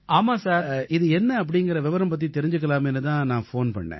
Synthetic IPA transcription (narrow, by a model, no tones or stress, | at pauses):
aːmãːsaːɾʔɪðɯɛnːɐɐp̬ːɐɽɪŋɡɐɾɐʋɛʋɐɾɐmpɐt̪̬ːit̪ɛɾɪɲd͡ʒɯk̬ːɐlaːmɛnːɯt̪ãːnãːfoːnpɐ̰ɳːḛ̃ː